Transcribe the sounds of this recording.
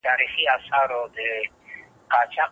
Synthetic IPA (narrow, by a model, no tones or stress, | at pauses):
taɾiχiasaɾɔdɪ | kat͡ʃʰa